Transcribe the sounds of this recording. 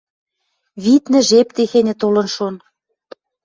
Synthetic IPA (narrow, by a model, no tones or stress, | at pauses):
βit̪nɘ̆ʒept̪exenʲɘ̆t̪olɤ̆nʃon